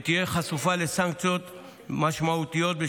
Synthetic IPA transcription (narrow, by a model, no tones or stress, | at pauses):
t̪ijeχasufalesaŋk̚t͡sjot̪ | maʃmaut̪ijo̞t̪̚be